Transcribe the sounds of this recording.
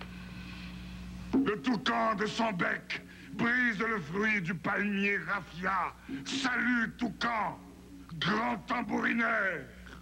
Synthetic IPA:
lət̪ukɑ̃d̪əsɔ̃bɛk | bʁizləfχɥid̪ypalmjeʁafjasalyt̪ukɑ̃ | ɡʁɑ̃t̪ɑ̃buʁinɛ | ʁ

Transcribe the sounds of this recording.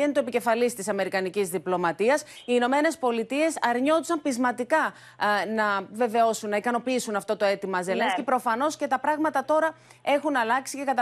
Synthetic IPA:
enit̪oepice̞fɐlist̪isɐme̞ɾikɐnicizðiplo̞mɐt̪iɐsiːno̞me̞ne̞spo̞lit̪ie̞sɐɾɲo̞t̪u̥sɐmpizmɐt̪ikɐ | nɐve̞ve̞o̞sunːɐikɐno̞piisunɐft̪o̞t̪o̞e̞t̪imɐzelenskipɾo̞fɐno̞sce̞t̪ɐpɾɐɣmɐt̪ɐt̪o̞ɾɐ | e̞xunɐlɐksice̞kɐt̪

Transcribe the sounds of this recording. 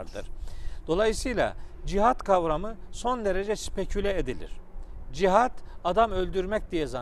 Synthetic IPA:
ɾd̪ɯɾ̥d̪̥o̞lˠajɯsɯjlʲˠa̰d͡ʒiɦat̪kʰavɾamɯso̞nd̪e̞ɾed͡ʒɛsy̥pʰecʰylʲɛed̪ilʲḭɾ̥d͡ʒiɦad̪̥ad̪amø̞lʲd̪yɾmɛc̚d̪ijɛza

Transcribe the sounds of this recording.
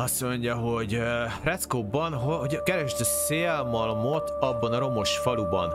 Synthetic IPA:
ɒso̞ɲɟɒɦo̞ɟ | rɛt̪skobɒnɦooɟkɛɾɛʃt̪ɛseːlmɒlmot̪ɒbːɒnɒɾo̞mo̞ʃfɒlubɒ̰n

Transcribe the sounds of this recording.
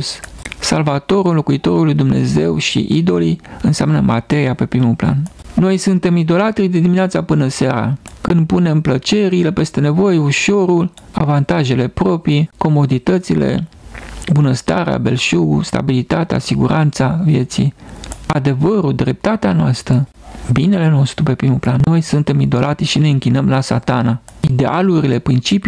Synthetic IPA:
ssalvat̪o̞ɾulo̞kuit̪o̞ɾulːujd̪umne̞̰ze̞wʃḭʔid̪o̞liɨnseamnəmʔa̰t̪e̞ɾiape̞pɾimupla̰nno̞jsunt̪e̞mid̪o̞lat̪ɾid̪ed̪imineat̪sapɨnəsaɾa̰kɨnd̪̚pune̞mplət͡ʃe̞ɾile̞pe̞st̪e̞ne̞vo̞jeuʃo̞ɾul | a̰vant̪aʒe̞le̞pɾo̞pɾiko̞mo̞d̪it̪ət̪sile̞̰ | bunəst̪aɾḛa̰be̞̰lʃuṵst̪a̰bilit̪at̪ea̰siɡuɾant̪savje̞t̪sḭad̪e̞vəɾud̪ɾe̞p̚t̪at̪eanoast̪ɾə | bine̞le̞no̞st̪ɾupe̞pɾimuplanːo̞jsunt̪e̞mid̪o̞lʔat̪ɾiʃine̞ɨŋkʲinəmlasa̰t̪anaid̪e̞aluɾile̞pɾint͡ʃipi

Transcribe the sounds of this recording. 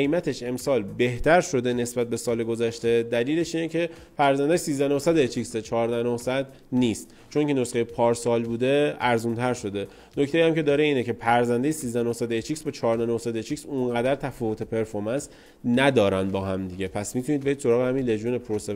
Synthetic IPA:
ejmæt̪ʰe̞ʃe̞msɒːlbe̞ht̪ʰæɾʃo̞d̪ene̞sbæt̪̚be̞sɒːleɡo̞zæʃt̪e̞d̪æliːle̞ʃiːnecʰe̞ | pæɾzænd̪æʃsiːzd̪ænohsæd̪et͡ʃʰicset͡ʃʰɒːɾd̪ænohsæd̪ | nist̪ | t͡ʃʰoncʰenosχejepʰɒːɾsɒːlbuːd̪e̞æɾzunt̪ʰæɾʃo̞d̪e̞ | noct̪e̞jiæmce̞d̪ɒːɾeiːnecʰe̞pʰæɾzænd̪ejesiːzd̪ænohsæd̪et͡ʃʰicsbɒt͡ʃʰɒːɾd̪ænohsæd̪et͡ʃʰiksunɢæd̪æɾt̪ʰæfɔːvo̞t̪ʰe̞pʰe̞ɾfoɾmæns | næd̪ɒːɾænd̪̚bɒːɦæmd̪iɟe̞pʰæsmit̪ʰunid̪̚be̞id̪so̞ɾɒːɣehæmiːnle̞d͡ʒjunepʰoɾose

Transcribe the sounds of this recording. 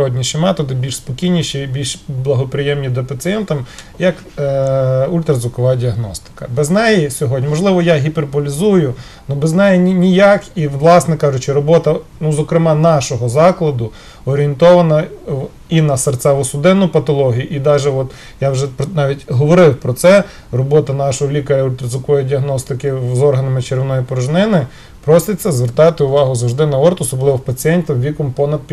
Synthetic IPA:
ɔdʲnʲiʃɪmɛt̪ɔd̪ɪbʲilʲʃspɔkʲijnʲiʃibʲilʲʃblˠɐɦɔpɾɪjɛmnʲid̪ɐpɐt̪ɪjɛnt̪ɐmjɐk | ulʲt̪ɾɐzʊkɔʋɑdʲiɐɦnɔst̪ɪ̥kɐ̰bɛznɛjisʲɔɦɔdʲnʲimɔʒlˠɪʋɔjaɦʲiperpɔlʲizujʊ | nubeznɛjɛnʲnʲijakiʋlˠɑsnɛkɑʒʊt͡ʃɪɾɔbɔt̪ɐnuzɔkɾɪmɑnɑʃɔɦɔzɑklˠɐd̪ʊ | ɔɾʲient̪ɔʋɐnɐ | inɐsɐrt̪sɛʋʊsʊd̪ɪnːʊpɐt̪ɔlˠɔɦʲijʊʔid̪ɑʒɛɔt̪ | jawʒɛpnɑʋʲitʲɦɔʋɔɾɪwpɾɔt̪sɛ | rɔbɔt̪ɐnɑʃɔɦɔlʲikɐɾʲɐʊt̪ɾɪzɪkɔjʊdʲiɐɦnɔst̪ɪkɪzɔrɦɐnɐmɪt͡ʃeɾʋnɔjipɔɾʊʒnɪnɪ | pɾɔsɪt͡sʲːɐzʋert̪ɑt̪ɪʊʋɑɦʊzɐwʒd̪ɪnɐɔrt̪ɔsɔblˠɪʋɔpɐt͡sʲiɛnʲt̪ʲɐwʋʲikɔmpɔnɐd̪̚pʲ

